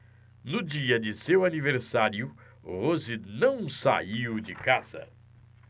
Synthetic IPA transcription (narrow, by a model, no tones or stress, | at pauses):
nʊd͡ʒiɐd͡ʒɪsewaniveɾsaɾjʊ | ʁozinɐ̃w̃sa̰iwd͡ʒɪkaz̥ɐ̰